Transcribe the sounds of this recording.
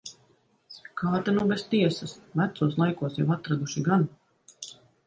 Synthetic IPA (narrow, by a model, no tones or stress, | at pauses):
kaːt̪anuwbest̪iɛsɐsvæt̪suɔːslˠajkuɔsjawat̪ɾad̪uʃiɡan